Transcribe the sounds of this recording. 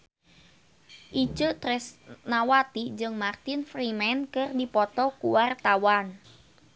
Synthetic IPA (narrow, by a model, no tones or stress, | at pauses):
ʔit͡ʃət̪ɾɛsnawat̪id͡ʒɨŋmart̪ɪnfrimɛnkɨrdipɔt̪ɔkuwart̪awan